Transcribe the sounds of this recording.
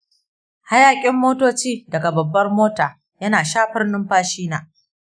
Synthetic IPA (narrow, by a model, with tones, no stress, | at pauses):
ha˦jaː˨kʲʼɪ˦mːoː˦toː˦t͡ʃiː˦dɐ˨ɡa˨bɐ˨bːɐ˦rmoː˦taː˨ | jɐ˦naː˨ʃaː˦ɸɪ˦rnʊ˦mɸaː˦ʃiː˦naː˨